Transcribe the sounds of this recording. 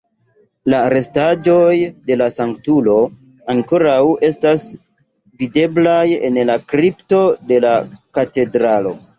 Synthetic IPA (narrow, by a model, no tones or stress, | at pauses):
laɾe̞stad͡ʒo̞jde̞lasaŋk̚tulo̞ | aŋko̞ɾawe̞stas | vide̞blajḛnlakɾipto̞de̞lakate̞dɾalo̞̰